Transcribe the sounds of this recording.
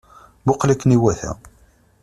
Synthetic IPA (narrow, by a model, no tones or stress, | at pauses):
bʊqlækːniwæθæ̰